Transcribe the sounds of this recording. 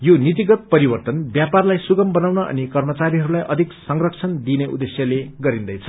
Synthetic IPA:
jonit̪̬iɡʌt̪̚pʌɾibʌrt̪ʌnbjaparlajsuɡʌmbʌnawnʌʔʌ̰nikʌrmʌt͡saɾiɦʌɾulajʔʌd̪ʱiksʌŋrʌkt͡sʰʌnd̪ineṵd̪esjʌleɡʌɾind̪ʌjt͡sʰʌ̥

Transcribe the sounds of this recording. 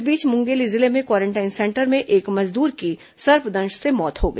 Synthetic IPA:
biːt͡ʃmʊ̃ŋɡeːlizɪlemẽkwaːɾẽɳʈaːɪnsɛ̃ːɳʈəɾmẽʔeːkmɐzd̪uːɾki | sɐɾpd̪ɐ̃nʃsemɔːt̪hoɡɐ

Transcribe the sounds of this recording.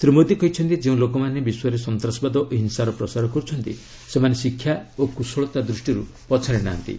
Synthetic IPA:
t̪ɾimod̪ikɔɦjt͡ʃʰɔnt̪id͡ʒeũlokɔmanebiswaɾesɔnt̪ɾasɔbad̪ɔʔɦinsaɾɔpɾɔsaɾɔkɔɾut͡ʃʰɔnt̪ḭ | semanesikʰːjaokusɔɭɔt̪ad̪ɾusʈiɾu | pɔt͡ʃʰaɾeɽ̃aːnt̪ḭ

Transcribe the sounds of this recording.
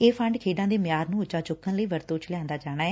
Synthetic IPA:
eːpʰəɳɖkʰeːɖãːd̪eːmjaːɾnũːʊt͡ʃaːt͡ʃʊkːənləiːʋəɾt̪oːt͡ʃʰlɪjãːnd̪aːd͡ʒaːɽ̃aːɛː

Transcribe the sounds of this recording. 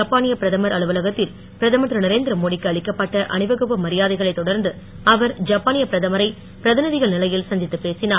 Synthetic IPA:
d͡ʒɐpːaːnɪjɐpɪɾɐðɐmɐɾɐɭɯʋɐlɐɣɐt̪ːɪl | pɪɾɐðɐmɐt̪ɾɐnɐɾeːnd̪ɪɾɐmoːɽɪkːɯɐɭɪkːɐpːɐʈːɐʔɐnɪʋɐɣɯpːɐmɐɾɪjaːðɐɪɣɐɭɐɪt̪ːɔɽɐɾnd̪ɯ | ɐʋɐɾd͡ʒɐpːaːnɪjɐpɪɾɐðɐmɐɾɐɪ | pɾɐðɪnɯðɪɣɐɭnɪlɐjɪlsɐnd͡ʒ̪ɪt̪ːɯpːeːsɪnaː

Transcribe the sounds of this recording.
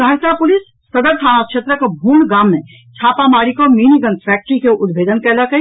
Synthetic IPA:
ɡʱəɾtapʊlisːəd̪əɾt̪ʰaːnakʃʰet̪ɾəkebʱuɳɖɡaːmːẽ | t͡ʃʰaːpamaːɾikominiɡənspɛk̚ʈɾikeʔʊd̪bʱeːd̪ənkɛləkə

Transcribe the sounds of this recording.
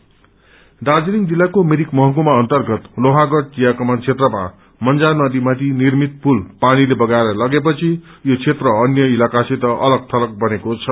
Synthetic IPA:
d̪ad͡ziniŋd͡zilːakomeɾikmʌɦʌkumaʌnt̪ʌrɡʌt̪loɦãɡʌɽt͡sijakʌmʌnt͡sʰet̪rʌma̰ | mʌnd͡zanʌd̪imat̪ʰinirmit̪̚pulpanilebʌɡaeɾʌlʌɡep̬ʌt͡sʰijot͡sʰet̪rʌʌnjʌilakaset̪ʌʔʌlʌɡ̚t̪ʰʌlʌk̚bʌnekot͡sʰʌ

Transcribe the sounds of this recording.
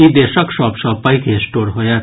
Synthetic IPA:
id̪eːʃəkʃɔːpʃɔːpaikesʈoːɾɦojat̪

